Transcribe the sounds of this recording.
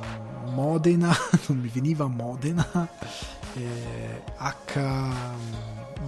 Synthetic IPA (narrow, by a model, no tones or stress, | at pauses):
mɔd̪enanomːiviniːvamɔd̪ena | ɛ | akʰːa